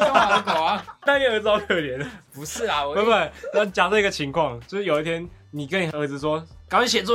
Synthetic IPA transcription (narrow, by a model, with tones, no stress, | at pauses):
kwa˨˦t̪a˥˧jt͡sɨ˧ɑ˥˧ʊkʰɤ˥˧ljɛ˧˦nə˨pu˧˦s̩˥˩la˨˩˧we˥ma˨˩a˥˩t͡ɕja˨˩sɔ˥˧i˧˥ɡə˧t͡ɕʰi˧˥ŋkʰwɑ˥˨ŋt͡ɕjo˥˧ʂɻ̩˥˩jo˨˩˦i˥˩t̪ʰjɛ˥n | ni˨˩kə˦ni˨˩ə˧d͡z̩˧swɔ˦kɕ̬jɛ˨˩t͡swɔ˥˨